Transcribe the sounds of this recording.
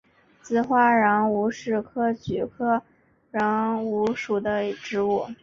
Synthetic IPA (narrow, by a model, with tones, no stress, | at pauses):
t͡sɹ̩˥˩xwa˥ɻɑ˧˥ŋu˧˥ʂɻ̩˥˩kʰɤ˥t͡ɕy˨˩kʰɤ˥ | ɻɑ˧˥ŋu˧˥ʂu˨˩d̪ə˦ʈ͡ʂɻ̩˧˥u˥˩